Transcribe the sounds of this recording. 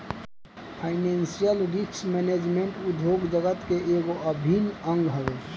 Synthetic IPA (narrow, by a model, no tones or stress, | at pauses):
pʰaɪnẽːnsijəlɾiksmɛːned͡ʒmẽɳʈʊd̪ʱjoːɡd͡ʒəɡət̪keʔeːɡoʔəbʱinə̃ŋɡɦəʋe